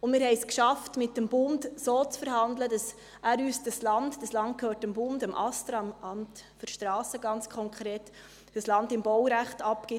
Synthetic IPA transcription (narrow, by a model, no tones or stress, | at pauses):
ʊnmɪːɾɦhɛɪskʃɑftmɪt̚dəmbʊndsoːt͡sfəɾhɑndlədɑs | æːɾyːsd̥ɑslɑndd̥ɑslɑnt̚kʰøːɾtəmbʊndəmʔɑ̰stɾɑmɑmtfɔʃtɾɑːsəɡɑnt͡skʰɔŋkʰɾeːt | d̥əslɑndɪmbɔwɾæχtɑpkɪ